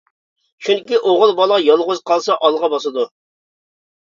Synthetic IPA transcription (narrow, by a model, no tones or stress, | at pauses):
ʃunkʲiʔoʁəlˠbɑlˠʁɑjɑlˠʁʊzqʰɑlˠsɑʔɑlˠʁɑbɑsɨd̪u